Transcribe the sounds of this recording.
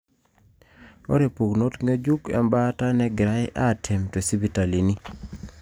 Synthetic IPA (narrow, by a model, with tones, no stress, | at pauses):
o̰˦ɾe˨pu˨ɡno˦tŋe˦d͡ʒu˦kɛ̰˨mba˦ta˦nɛ˦ɡɪ˨ɾa˦ɪ˦ʔa˦˨tʰɛ˨mto˨si˦bi˨˦ta˨li˨ni˦